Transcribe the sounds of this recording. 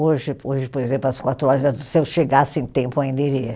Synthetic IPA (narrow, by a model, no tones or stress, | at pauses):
oʒɪoʒɪpoɾezẽmplʊɐskwat̪ɾʊɔɾɐzɛsɪewʃeɡasɪẽt̪ẽmpʊaĩnd̪ɐiɾiɐ